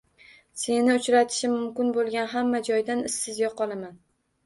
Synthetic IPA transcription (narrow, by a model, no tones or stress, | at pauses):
se̞nɪʊt͡ʃɾat̪ʰɪ̥ʃɪmʊmkʲɪnbolˠɡʲanɦamːad͡ʒɒjd̪anɪsːɪzjɒqʰɒlˠaman